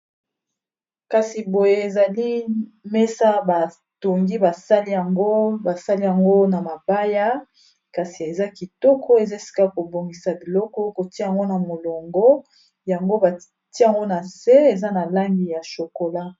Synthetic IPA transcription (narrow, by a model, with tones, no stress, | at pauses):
ka˨si˨bo˨je˦e˨za˨li˦me˦sa˦ba˨ | to˨ŋɡi˦ba˨sa˦li˦ja˨ŋɡo˦ba˨sa˦li˦ja˨ŋɡo˦na˨ma˨ba˦ja˦ | ka˨si˨e˨za˦ki˨tɔ˦kʰɔ˦e˨za˦˨si̥˨ka˦ko˨bo˨ŋɡi˨sa˨bi˨lɔ˦kɔ˦ko˨ti˦ja˨ŋɡo˦na˨mo˨lɔ˨ŋɡɔ˦ | ja˨ŋɡo˦ba˨ | ti˦a˨ŋɡo˦na˨se˦e˨za˦na˨la˦ŋɡi˨ja˨ʃo˨ko˨la˦